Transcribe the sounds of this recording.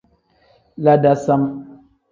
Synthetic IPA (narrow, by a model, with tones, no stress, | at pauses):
la˦da˦sa˦m